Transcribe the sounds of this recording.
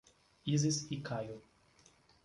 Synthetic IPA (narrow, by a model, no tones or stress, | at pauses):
izisikʰaju